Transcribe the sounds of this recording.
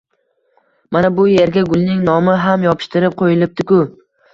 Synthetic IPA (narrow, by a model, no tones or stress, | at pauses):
manabʊje̞ɾɡʲaɡʊlˠnɪŋnɒmɪɦamjɒpʰɪ̥ʃt̪ɪɾɪp̚qʰojɪlɪp̚d̪ɪkʲʊ